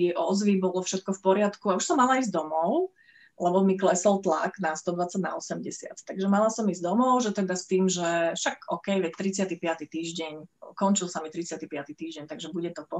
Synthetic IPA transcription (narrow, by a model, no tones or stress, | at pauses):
ʔɔzʋibɔlɔfʃɛt̪̚kɔfpɔɾɪat̪kuauʃsɔmːalaizd̪ɔmɔʊ | lɛbɔmiklɛsɔlt̪la̰ɡnast̪ɔd̪ʋat͡saɟna̰ɔsɛmɟɛsɪa̰t̪t̪aɡʒɛmalasɔmizd̪ɔmɔʊʒɛt̪ɛd̪ast̪iːmʒɛfʃakɔkɛjʋɛct̪ɾit͡sɪat̪ipɪat̪it̪iːʒɟɛɲkɔnt͡ʃilsamit̪ɾit͡sɪat̪ipɪat̪it̪iːʒɟɛɲt̪aɡʒɛbuɟɛt̪ɔpɔ